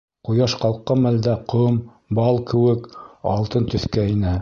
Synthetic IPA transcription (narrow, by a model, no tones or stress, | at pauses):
qujɑʃqɑlˠqːɑmæld̪æqɤm | bɑlˠkɘ̆wɘkɑ̰lˠt̪ɤnt̪ɵ̆θkæinɘ